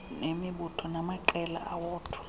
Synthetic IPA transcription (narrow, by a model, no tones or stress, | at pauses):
nemiɓutʰɔnamaǃɛla̰ʔawɔːtʰḁ